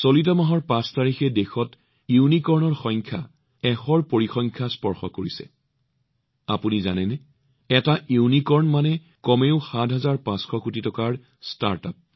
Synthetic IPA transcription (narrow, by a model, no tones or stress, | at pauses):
solitɔmaɦɔɹpãstaɹixɛdexɔt | iwnikɔɹnɔɹxɔŋkʰja̰ | ɛxɔɹpoɹixɔŋkʰaspɔɹxɔ̰koɹisɛ̰ | apuniza̰nɛnɛ | ɛtaʔiwnikɔɹnmanɛ | kɔmeʊxadʱɦazaɹpãsxʰɔkutitɔkaɹ | sta̰ɹta̰p̚